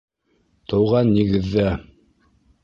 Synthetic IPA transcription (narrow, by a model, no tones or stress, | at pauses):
t̪ɤ̆wʁɑnːiɡɘ̆ðːæ